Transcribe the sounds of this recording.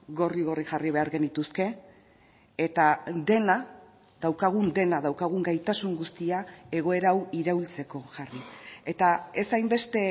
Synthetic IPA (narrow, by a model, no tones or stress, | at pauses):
ɡo̞riɣo̞riʝariβ̞e̞aɾɣe̞nd̪it̪uske̞ | t̪ad̪e̞na | ðawkaɣ̞und̪e̞naðawkaɣ̞uŋɡajt̪asuŋɡust̪iae̞ɣ̞o̞e̞ɾawiɾault͡se̞ko̞ʝarie̞t̪ae̞sajmbe̞st̪e̞